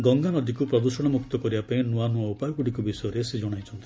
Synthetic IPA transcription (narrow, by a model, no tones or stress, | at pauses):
ɡɔŋɡanɔd̪ikupɾɔd̪usɔɽ̃ɔmukt̪ɔkɔɾibapaĩnuanuaupajɔkuɽikubisɔjɔɾesed͡ʒɔɽ̃ajt͡ʃʰɔnt̪ʰi